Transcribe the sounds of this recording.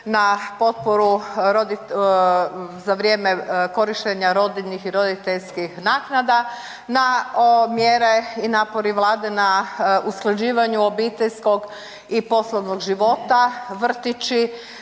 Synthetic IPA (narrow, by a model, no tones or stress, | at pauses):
napo̞t̪̚poɾuɾod̪i | zaʋɾje̞ːmeko̞ɾiʃt̪eɲaɾo̞d̪iʎnixiɾo̞d̪it̪eʎskixnaːknad̪a | naomjeɾe̞inaːpo̞ɾiʋlˠaːd̪e̞nausklˠad͡ʑiːʋaɲuo̞biːt̪eʎsko̞ɡ | ipo̞slˠoʋnoɡʒiʋo̞t̪aʋr̩t̪it͡ʃi